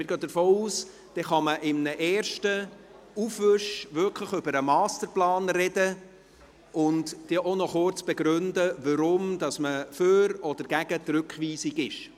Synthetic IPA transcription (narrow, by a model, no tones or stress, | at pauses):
mɪɾɡøːdəɾfoːuːs | d̥ɛχɑməʔɪmnəʔɛːɾʃtə | ufʋʏʃʋʏlkʰləχʏbəɾəmɑːstəɾplɑːnrɛdə | ʊntd̥eʔonɔχʊɾt͡sb̥eɡɾʉndəʋəɾʊmdɑsməføɾɔdəɾɡ̥æɡ̥ətɾʉkχʋiːsiɡɪʃ